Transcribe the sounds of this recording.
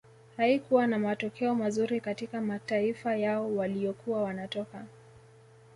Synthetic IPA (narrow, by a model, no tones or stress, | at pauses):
haikuwanamatɔkʰɛɔmazuɾikatikamataifajaɔwaliɔkuwawanatɔka